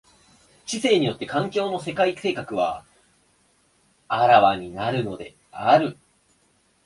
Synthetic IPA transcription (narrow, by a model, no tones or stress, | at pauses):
t͡ɕise̞ːɲ̟ijo̞t̪ːe̞kãŋkʲo̞ːno̞se̞kaise̞ːkakɯ̟βa̰ | aɾaβaɲ̟inaɾɯ̟no̞d̪e̞̰ | aɾɯ̟